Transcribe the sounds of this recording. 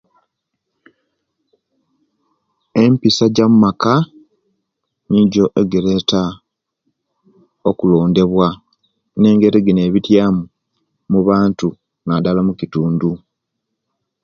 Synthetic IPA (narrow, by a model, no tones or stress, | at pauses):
e̞mpisaɟamumaka | niɟo̞ʔeɡeɾe̞ta | okulo̞ːnde̞βwa | ne̞ːŋɡe̞ɾiɡine̞ːβitjaːmu | muβaːntu | nadalamucituːndu